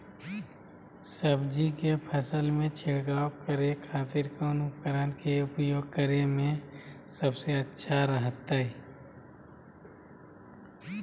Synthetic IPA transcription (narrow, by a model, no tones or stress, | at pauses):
səbd͡ʒikepʰəsəlmẽt͡ʃʰɪɽɡaːwkəɾekʰaːt̪ɪɾkoʊnʊpkəɾənkeʊpjoːɡ̚kəɾemẽ | səbseətːʃʰaɾəɦət̪ːaɛ